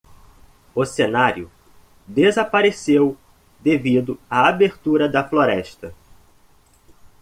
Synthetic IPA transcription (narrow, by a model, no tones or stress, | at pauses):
ʊsenaɾjʊ | d̪ezapaɾesew | d̪evid̪ʊɐabeɾt̪uɾɐd̪ɐfloɾɛʃt̪ɐ